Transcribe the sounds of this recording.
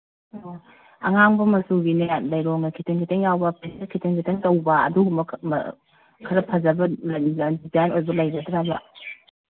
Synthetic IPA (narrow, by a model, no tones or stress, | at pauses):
ɐ̰ŋaŋbɐmɐsuɡineat̚lɐjɾoŋnɐkʰitʰiŋkʰitʰeŋjawbɐpesɐskʰitʰiŋkʰiteŋtɐwbɐɐ̰duɡumɐm̰ | kʰɐɾɐpʰɐzɐbɐldizajnojbɐlɐjɡɐdɾabɐ